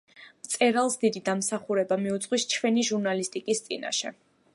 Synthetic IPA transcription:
mt̪sʼɛɾalˠsd̪id̪id̪amsaχuɾɛbamiut̪sʼqʼwist͡ʃʰwɛniʒuɾnalist̪ʼikʼist̪sʼḭna̰ʃɛ

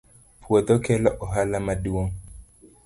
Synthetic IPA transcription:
pʰuɔt̪ɔkɛlaʔɔɦalamaduwɔŋ

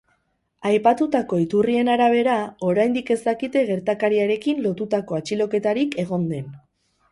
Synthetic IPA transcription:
ajpat̪ut̪ako̞it̪urie̞naɾaβ̞e̞ɾao̞ɾajnd̪ike̞zt̪akit̪e̞ɣe̞ɾt̪akaɾiaɾe̞kinlo̞t̪ut̪ako̞at͡ʃilo̞ke̞t̪aɾike̞ɣ̞o̞nd̪e̞n

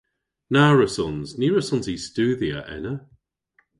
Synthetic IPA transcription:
naɹəsɔnzniːɹəsɔnzistʉːðiə̰ʔɛ̰nə

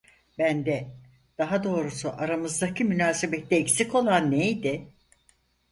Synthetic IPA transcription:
bænd̪ɛ | d̪̥aɦad̪o̞ːɾusuʔaɾamɯzd̪acʰimynaːsebɛt̪ʰːɛːcsiko̞lˠanːejd̪ɪ

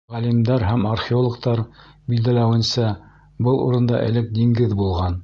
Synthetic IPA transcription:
ʁælimd̪æɾɦæmarχʲeolˠŏk̚t̪ɑɾ | bild̪ælæwɘ̆nsæ | bɤlˠṵɾɤ̆nd̪ɑ̰ʔɘ̰̆lɘk̚d̪iŋɡɘðbulˠʁɑn

